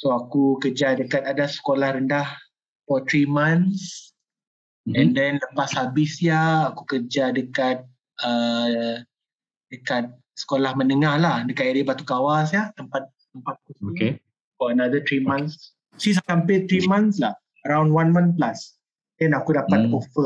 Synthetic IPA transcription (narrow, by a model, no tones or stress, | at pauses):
soakukəd͡ʒadəkat̪adasə̥kolahɾəndah | fɔt̪ɾimans | ɛ̃ndɛnləpasabɪsjaːkukərd͡ʒadəkat̪̚ | ə | dəkat̪̚ | sə̥kolahmənəŋahlahdəkat̚adibat̪ukawasjat̪əmpat̪̚ | t̪əmpat̪̚kusoike | fɔənad̪ət̪ɾimãns | sis̬akampɪlt̪ɾimãnslah | əɾawndwanmãnplas | dɛnakudapat̪̚ofə